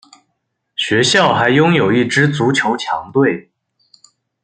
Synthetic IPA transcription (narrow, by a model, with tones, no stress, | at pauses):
ɕɥɛ˧˥ɕjɑ˥˩ʊxa˧˥ɪjʊ˥ŋjo˨˩ʊi˥˩ʈ͡ʂɻ̩˥t͡su˧˥t͡ɕʰjo˧˥ʊt͡ɕʰjɑ̰˧˥ŋt̪we˥˩ɪ